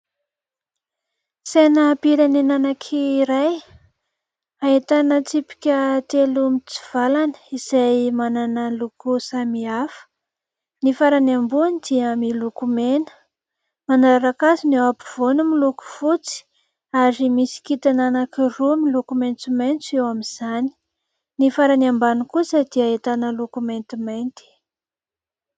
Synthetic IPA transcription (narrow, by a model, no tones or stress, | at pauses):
senəpiɾenenanakʰiːɾaj | ait̪anət͡sipi̥kʲət̪elumit͡si̥v̥alanə̥iz̥ajmananəlukusamiafə̥ | nifaɾanambunid̪̥iəmilukumenə̥ | manaɾaɾakazinewapu̥v̥onumiluku̥fut͡si̥ | aɾimisi̥kit̪ananakirumilukument͡simejnt͡sewamiz̥ani̥ | nifaɾanambanikusəd̪̥iaet̪anəlukument̪imajnt̪i̥